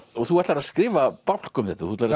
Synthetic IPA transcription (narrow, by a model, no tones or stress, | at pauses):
ɔɣθuɛt̪laɾaðskɾɪːvapawl̥kʏmθɛht̪aθuɛt̪laɾ